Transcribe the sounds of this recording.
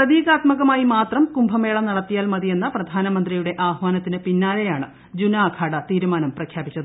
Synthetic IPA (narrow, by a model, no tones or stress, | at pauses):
prɐðiːɣaːt̪mɐɣɐmaːjimaːt̪rɐmkumbʱɐme̞ːɭɐmnɐɽɐt̪ːijaːlmɐðije̞nːɐprɐd̪ʱaːnɐmɐnd̪rijuɽe̞ʔaːhʋaːnɐt̪ːinɨpinːaːle̞jaːɳɨ | d͡ʑunaːkʰaːɽɐt̪iːɾumaːnɐmprɐkʰjaːbit͡ɕːɐðɨ